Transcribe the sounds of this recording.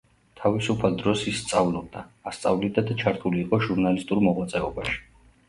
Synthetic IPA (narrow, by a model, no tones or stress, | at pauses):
t̪ʰavisupʰalˠd̪ɾɔsisːt̪sʼavlˠɔb̚d̪aːst̪sʼavlid̪ad̪at͡ʃʰaɾt̪ʰuliːqʼɔʒuɾnalist̪ʼuɾmɔʁwat̪sʼɛɔbaʃi̥